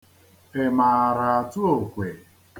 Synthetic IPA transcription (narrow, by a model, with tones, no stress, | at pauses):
e˨ma˨ɾa˨a˨tu˦o˨kʷe˨